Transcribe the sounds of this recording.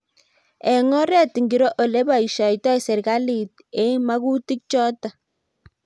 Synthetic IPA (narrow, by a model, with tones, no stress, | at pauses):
ɛ˨ŋɔ˦ɾɛ˦ti˨ŋɡi˨ɾo˦ʔo˨le˦ba˨i˨ʃɔ˨jtɔ˦i˨sɛ˨ɾka˦li˨t̚ | e˦ma˦ɣu˦ti˦k̚t͡ʃɔ˦ta˨